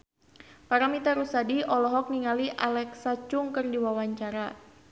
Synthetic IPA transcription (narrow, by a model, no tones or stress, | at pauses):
paɾamit̪aɾusadiʔɔlɔɦɔk̚niŋaliʔalɛksat͡ʃʊŋkərdiwawaɲt͡ʃaɾa